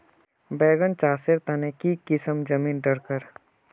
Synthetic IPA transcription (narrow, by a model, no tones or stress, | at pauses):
bɛːɡənt͡ʃaːseɾt̪ɐnekikɪsəmd͡ʒəmiːnɖəɾkəɾ